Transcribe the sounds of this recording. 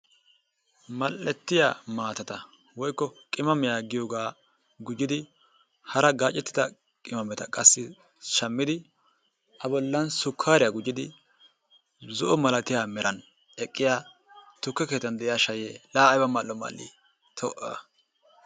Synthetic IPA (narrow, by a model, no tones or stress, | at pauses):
mɐlːɛt̪ːɪja̰ːmaːt̪ɐt̪ɐ | wɔjkːɔkʼɪmɐmɛjaːɡɪjoːɡaː | ɡʊd͡ʒːɪd̪ɪ | hɐɾɐɡaːt͡ʃʼːɛt̪ːɪ̥d̪ɐ | kʼɪmɐmɛt̪ɐkʼɐsːɪ | ʃɐmːɪd̪ɪ | ʔɐbɔlːɐnsʊkʰːaːɾɪjaɡʊd͡ʒːɪd̪ɪ | zɔʔɔmɐlɐt̪ɪjaːmɛɾʔɐn | ɛkʼːɪjaː | t̪ʊkːɛke̞ːt̪ːɐnd̪ɛʔɪjaːʃɐjeːlaːjbɐmɐlːɔma̰lːḭ | t̪ʰɔʔɐ